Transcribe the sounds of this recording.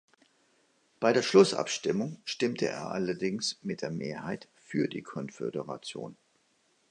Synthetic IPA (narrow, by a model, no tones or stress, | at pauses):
b̥aɪɾeːɐʃlʊsʔa̰pʃtɪmʊŋʃtɪmtʰəʔḛːɐʔalɐdɪŋsmɪt̚d̥eːɐmḛːɐhaɪt | fyːɐdḭːkʰɔnfḛdəʁa̰t͡sjo̰ːn